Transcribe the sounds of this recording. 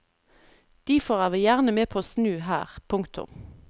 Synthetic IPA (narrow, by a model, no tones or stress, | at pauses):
d̪̥iːfoːʁæːʋiːjæʁnəmeːpʰoːsnʉːɦæːʁpʰʊŋkt̪ʰʊ̰m